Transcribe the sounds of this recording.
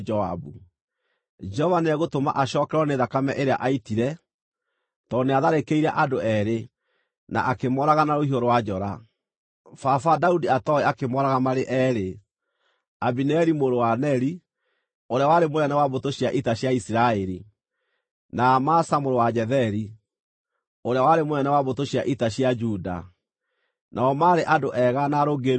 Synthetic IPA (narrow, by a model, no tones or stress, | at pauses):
d͡ʒɔa̰bu | d͡ʒɛhɔvaneɛɣotoma̰ʔaɕɔːkɛɾwɔneðakamɛʔeɾeaʔaitiɾɛ | tɔneaðaɾekeiɾaʔadoɛɾe | na̰ʔakemɔɾaɣanaɾohioɾowad͡ʒɔɾa | fafadaudiatɔeakemɔɾaɣamaɾeʔɛːɾe | abinɛɾimoɾowanɛɾi | oɾeawaɾemoɾɛnɛwaβotoɕiaʔitaɕjaisiɾaeɾi | namasamoɾowad͡ʒɛðɛɾi | oɾeawaɾemoɾɛnɛwaβotoɕiaʔitaɕiad͡ʒuda̰ | nʔaɔmaɾeʔadoʔɛɣanaɾoɡe